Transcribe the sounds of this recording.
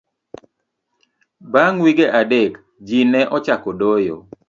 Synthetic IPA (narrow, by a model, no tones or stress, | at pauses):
baŋwiɡeʔadek | d͡ʒinɛʔɔt͡ʃakɔdojo̰